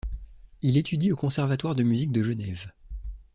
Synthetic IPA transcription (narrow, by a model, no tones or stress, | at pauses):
ilet̪ʰyd̪iokɔ̃sɛʁvat̪waʁd̪əmyzik̚d̪əʒənɛv